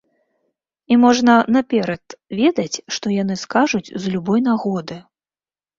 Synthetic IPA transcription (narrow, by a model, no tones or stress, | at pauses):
imɔʐnɐnapʲɛɾɐt̪vʲɛd̪ɐt͡sʲʂt̪ɔjan̪ɨskaʐut͡sʲzlʲubɔjnaɣɔd̪ɨ